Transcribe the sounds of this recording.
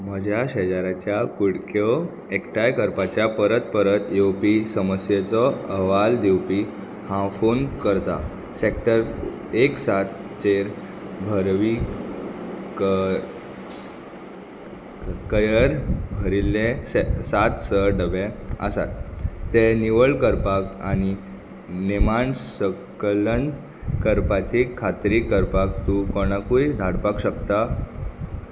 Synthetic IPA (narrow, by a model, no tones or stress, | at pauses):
məd͡ʑʱjaɕed͡zaɾat͡ɕjakuɽkʰjo | ekʈajkəɾpat͡ɕjapəɾət̪̚pəɾət̪jowpisəməsjet͡sɔəʋald̪iwpiː | hãfuːnkəɾt̪a̰ | sek̚ʈəɾ | eksat̪t͡ɕeɾ | bʱəɾʋi | k | kəjəɾbʱəɾilːẽsat̪səɖəʋɛə̰sa̰t̪ːeniʋəɭkəɾpaka̰ɽ̃i | nimaɳsə | klən | kəɾpat͡ɕikʰːat̪ɾiːkːəɾpak̚t̪ukoɽ̃akuid̪ʱaɽpakɕəkt̪a